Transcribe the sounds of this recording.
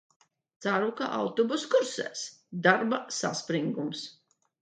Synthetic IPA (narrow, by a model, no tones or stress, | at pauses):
t̪saɾuka̰ʔa̰wt̪ɔbuskuɾsɛ̰ːsd̪aɾbasa̰spɾiŋɡums